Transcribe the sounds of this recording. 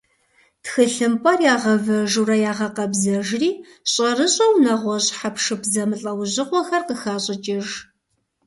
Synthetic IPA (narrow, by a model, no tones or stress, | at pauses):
txɨɬɨmpʼɐrjaːʁɐvɐʒurɐjaːʁɐqɐbzɐʒriː | ɕʼɐrɨɕʼɐwnɐʁʷɔɕħapʰʂɨpzɐmɨɬʼɐwʑɪqʷɔxɐrqəxaːɕʼɐt͡ʃʼɪʒ